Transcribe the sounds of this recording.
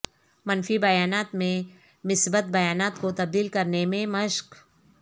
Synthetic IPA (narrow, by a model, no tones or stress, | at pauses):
mɐnfibɐjaːnaːt̪mẽ | mɪsbət̪̚bɐjaːnaːt̪kot̪ɐb̚d̪iːlkɐɾnemẽmɐʃk